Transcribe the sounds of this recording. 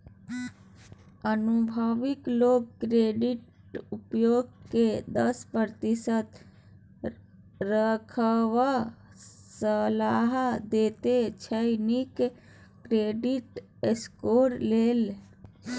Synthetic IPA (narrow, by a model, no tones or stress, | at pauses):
ənubʱəʋikloɡkɾeɖiʈ | upjoɡked̪əspəɾt̪isət̪ | ɾəkʰəʋa | səlaɦd̪et̪et͡ʃʰəɪnik | kɾeɖiʈ | eskoɾlel